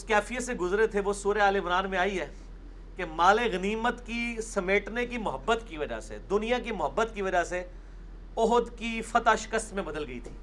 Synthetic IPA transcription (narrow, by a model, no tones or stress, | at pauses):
ʊskɛːfijət̪seɡʊzɾet̪ʰeʋosuːɾeaːlɪmɾaːnmẽaːiɦɛː | kemaːleɣɐniːmət̪kisɐmeːʈnekimʊɦəbːət̪kiʋɐd͡ʒa̰sḛd̪ʊnijãkimʊɦəbːət̪kiʋɐd͡ʒase | ɔɦd̪kifɐt̪aʃɪ̥kəst̪mẽbɐd̪əlɡɐḭt̪ʰi̥ː